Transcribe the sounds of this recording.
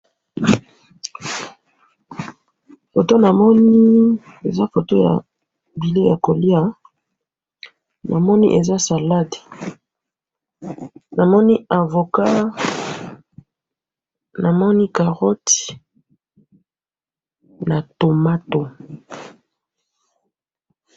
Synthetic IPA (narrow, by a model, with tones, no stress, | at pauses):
fo˨to˦na˨mɔ˦ni˦ | e˨za˦fo˨to˦ja̰˨ | bi˨le˦ja˨ko˨li˦a˦ | na˨mɔ˦ni˦ʔe˨za˦sa˨la˦de̥˨ | na˨mɔ˦ni˦a˨vo˨ka˦ | na˨mɔ˦ni˦ka˨ʁɔ˦ti̥˨ | na˨to˨ma˦to˨